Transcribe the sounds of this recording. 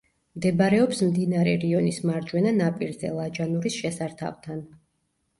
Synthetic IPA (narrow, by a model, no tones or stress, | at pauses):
md̪ɛbaɾɛɔpsmd̪inaɾɛ̰ɾiɔnismaɾd͡ʒwɛnanapʼiɾzɛ̰lˠad͡ʒanuɾisʃɛsaɾt̪ʰa̰vt̪ʰan